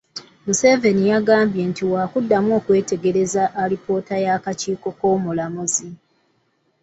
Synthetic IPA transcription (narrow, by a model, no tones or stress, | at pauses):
muse̞ːve̞nijaɡaːmbje̞ntiwaːkudːamo̞ːkwe̞ːte̞ɡe̞ɾe̞zaʔːɾipo̞ːtajakaciːko̞ko̞ːmulamuzi